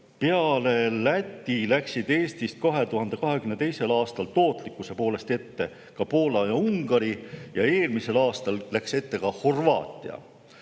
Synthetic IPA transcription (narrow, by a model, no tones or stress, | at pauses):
peɑle̞læt̪ːˑilæksid̪e̞ːst̪ist̪̚kɑɦe̞t̪uɦɑnd̪̥e̞kɑɦe̞kymne̞t̪ejse̞lɑːst̪ɑlt̪o̞ːt̪ˑlikːˑuse̞po̞ːle̞st̪e̞t̪ːe̞ | kɑpo̞ːlɑjɑuŋɡ̥ɑɾijɑe̞ːlmise̞lɑːst̪ɑllækse̞t̪ːe̞kɑho̞rvɑ̰ːt̪ʲːˑḭɑ̰